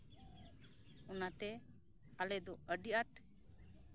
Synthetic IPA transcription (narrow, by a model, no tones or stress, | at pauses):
ɔnat̪ɛ | alɛd̪ɔəɖiaʈ